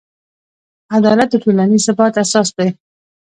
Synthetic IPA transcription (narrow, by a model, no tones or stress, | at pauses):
ad̪ɑlat̪̚d̪əʈolanizsɪbɑt̪asɑsd̪e